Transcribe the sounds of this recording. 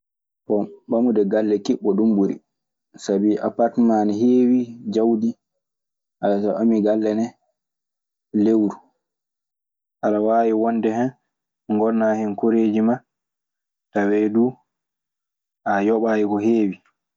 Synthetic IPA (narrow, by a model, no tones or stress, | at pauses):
kɔɓamudɛɡalːɛkiɓːɔɗumbuɾḭ | sabiʔa̰paɾtmanɦeːwid͡ʒawdi | ʔalasaʔamiɡalːɛnɛ | lewɾu | ʔalawaːwiwɔndɛhɛn | ŋɡɔlnahinkoɾeːd͡ʒima | tawɛdu | ʔajɔɓajikɔheːwi